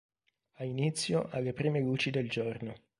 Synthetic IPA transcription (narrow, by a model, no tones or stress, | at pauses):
ainit̪sːjoʔalːepɾiːmeluːt͡ʃid̪eld͡ʒorno